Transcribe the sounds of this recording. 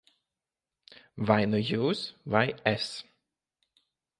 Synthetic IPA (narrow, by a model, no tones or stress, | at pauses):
vaɪnəjuːsvaɪɛs